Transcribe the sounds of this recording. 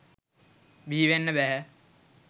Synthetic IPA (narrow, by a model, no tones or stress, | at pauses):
biːʋenːəbɛɦɛ